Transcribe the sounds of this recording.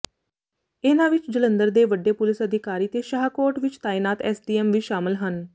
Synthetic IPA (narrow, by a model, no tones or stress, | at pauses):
enãːʋɪt͡ʃd͡ʒələ̃nd̪əɾd̪eːʋəɖːeːpʊlɪsəd̪ʱɪkaːɾiːt̪eːʃəɦkoːɾʈʋɪt͡ʃt̪aːiːnaːt̪ɛːsɖiːɛːmʋiːʃaːmɪlɦən